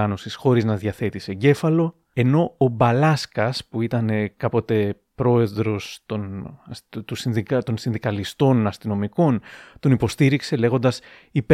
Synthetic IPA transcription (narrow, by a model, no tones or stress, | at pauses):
ɐno̞sisxo̞ɾiznɐðʝɐθe̞t̪ise̞ɟe̞fɐlo̞ | e̞no̞ːbɐlɐskɐspuit̪ɐne̞kɐpo̞t̪e̞ | pɾo̞e̞ðɾo̞st̪on | t̪usiðikt̪o̞nsinðikɐlist̪o̞nɐst̪ino̞miko̞nt̪o̞nipo̞st̪iɾikse̞le̞ɣo̞nd̪ɐs | ip